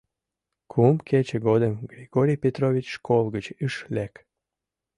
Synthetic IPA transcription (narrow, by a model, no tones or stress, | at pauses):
kʰumkʰet͡ɕeɡod̪əmɡɾʲiɡoɾʲijpʲet̪ɾovʲit͡ɕʃkʰolˠɡət͡ɕɨʃlek